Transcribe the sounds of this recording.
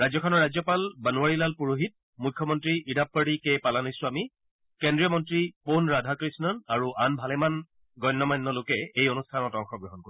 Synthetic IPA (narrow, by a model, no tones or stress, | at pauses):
ɹajzjɔkʰɔnɔɹazɔpalbanuaɹilalpuɹoɦit̚ | mukʰːjɔmɔntɹiʔidʱapːaɽikepalanisʊ̃ami | kɛndɹijɔmɔntɹiponɹadʱakɹisnɔnaɹuʔanbʱalɛman | ɡɔjnːɔmajnːɔlokɛejonustʰanɔtɔŋxɔɡɹɔɦɔnkoi